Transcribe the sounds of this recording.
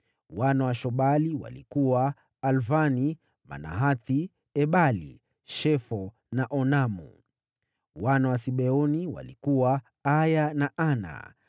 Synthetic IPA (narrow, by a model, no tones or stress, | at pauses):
wanawaʃɔɓaliwa̰likuwaː | lvani | ma̰na̰ɦaθi | ɛɓalḭ | ʃɛfɔ | naʔɔnamṵ | wanawasiɓɛɔniwa̰likuwa | ajanaʔana̰